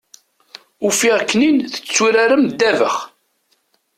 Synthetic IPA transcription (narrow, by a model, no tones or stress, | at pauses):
ufiʁkːninθə̥t͡sːuɾaɾəmd̪ævə̰χ